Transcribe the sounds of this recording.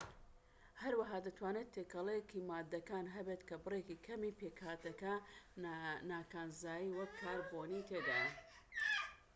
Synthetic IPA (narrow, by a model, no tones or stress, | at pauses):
hɐɾwɐɦaːd̪ɐt̪ʰwaːnet̪ʰːekɐlˠekimaːd̪ːɐkaːnɦɐbet̪kɐbɨrekikʰɐmipekhaːt̪ɐkɐ | naːkaːnzaːjiwɐkʰːaːɾboːnit̪ʰed̪aːjɐ